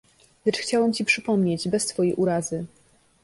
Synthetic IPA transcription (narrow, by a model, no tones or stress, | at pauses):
lɛt͡ʂxt͡ɕawɛmt͡ɕipʂɘpɔmɲed͡ʑbɛst̪fɔjejʔuɾazɘ